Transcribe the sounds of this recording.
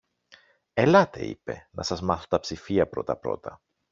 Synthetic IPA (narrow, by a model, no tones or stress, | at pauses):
e̞lɐt̪e̞̰ḭpe̞̰nɐsɐzmɐθot̪ɐpsifiɐpɾo̞t̪ɐpɾo̞̰t̪ɐ